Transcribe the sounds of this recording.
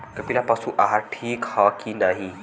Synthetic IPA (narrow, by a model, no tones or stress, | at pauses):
kəpilapasuʔaɦaʈʰiːkhakinaɦi